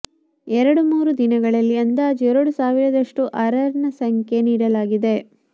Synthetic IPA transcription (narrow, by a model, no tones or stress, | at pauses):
ɛɾɐɽumuːɾud̪inɐɡɐɭɐlːiɐnd̪aːd͡ʒɛɾoɽusaːʋiɾɐd̪ɐʂʈuʔɐɾɐɾnɐsɐŋke̞niːɽɐlaːɡid̪e̞